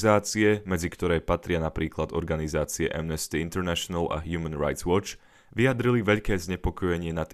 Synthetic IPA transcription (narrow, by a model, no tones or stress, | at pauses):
zaːt͡siɛmɛd͡zikt̪ɔɾɛːpat̪ɾɪanapɾiːklad̪ɔɾɡanizaːt͡siɛʔɛ̰mnɛst̪iint̪ɛɾnɛʃɔnala̰ɦjumənɾa̰jt̪zwɔt͡ʃ | ʋijad̪ɾiliʋɛʎkɛːzɲɛpɔkɔjɛɲɪɛnat̪